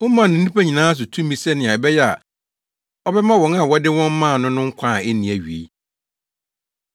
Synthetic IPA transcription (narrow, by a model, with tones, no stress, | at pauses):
ʊ˦mã˨nʊ̃˨n̩˦ĩ˦pæ˦ɲĩ˨nãː˦s̬ʊ˨tʰũ˦mːĩ˨sɛ˦nɪ̃˨a˨bɛ˦jɛ˦a˨ | ɔ˦bɛ˦mã˦wɔ̃˨na˨wɔ˦dɪ˦wɔ̃˦m˦mã˦˨nʊ̃˦nʊ̃˦ŋ̩˦kʷʰã˦˨ɛ˦nĩ˨æ˨ɥi˨ḛ˦